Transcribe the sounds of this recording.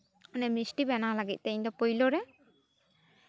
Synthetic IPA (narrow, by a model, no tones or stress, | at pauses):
ɔnɛmisʈibɛnalaɡit̪̚ˀt̪ɛɲd̪ɔpojlɔɾɛ